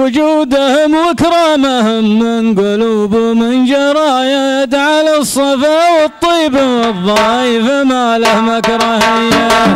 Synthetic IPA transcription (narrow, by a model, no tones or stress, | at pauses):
wʊd͡ʒuːd̪ahʊmwɪkɾˤɑmahʊmːɪnɡʊluːbʊmɪnd͡ʒɑɾˤɑːjajad̪ʕalasˤːɑfɑːwɪt̪ˤːiːbawɨðˤːɑːjɪfamalahʊmʔakɾˤɑhɪjːa